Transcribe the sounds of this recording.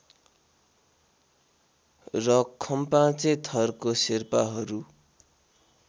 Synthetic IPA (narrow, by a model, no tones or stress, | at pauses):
rʌkʰʌmpãt͡set̪ʰʌrkosirpaɦʌɾu